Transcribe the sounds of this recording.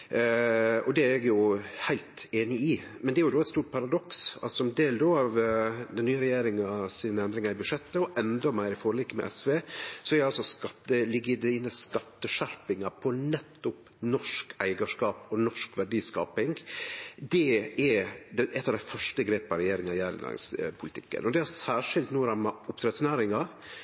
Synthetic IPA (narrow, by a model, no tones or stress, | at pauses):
ɔd̪ɛɛɡjʊhæɪlt̪eːnɪɪ | mɛnd̪ɛæɾjʊd̪oːɛt̪st̪uːʈ̚pʰɑɾɑd̪ɔksɑ̰lsɔmd̪eːld̪oɑʋd̪ɛnnyːəɾɛjeːɾɪŋɑsiːnəɛnd̪ɾɪŋɑɪbʉʂɛt̪ːəɔʔɛnd̪ɔmæɪɾɪfoːɾlɪkːəmɛ̰ʔɛsʋeːsɔæɾɑlsɔskɑt̪ːəlɪɡɪd̪iːnəskɑt̪ːəʂæɾpɪŋɑpʰɔnɛt̪ːʊp | nɔʂkæɪɡɑʂkɑːpɔnɔʂkʋæɖiːskɑ̰ːpɪŋɡd̪ɛɛd̪ɛʔɛt̪ːɑʋd̪æɪfœʂʈəɡɾeːpɑɾɛjeːɾɪŋɑɪjæːɾɪ̰næ̰ːɾɪ̰ŋspʰʊlɪt̪ɪ̰kːə̰nɔd̪ɛæɾsæːʂɪlt̪nuːɾɑmɑʊpt̪ʰɾɛt̪snæːɾɪŋɑ